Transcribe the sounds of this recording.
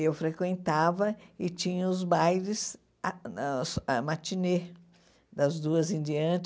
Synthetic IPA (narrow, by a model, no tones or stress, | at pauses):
ewfɾekwẽnt̪avɐɪt͡ʃĩɲɐʊzbajɾɪs | smat͡ʃine | d̪ɐzd̪uɐzĩnd͡ʒiɐ̃t͡ʃ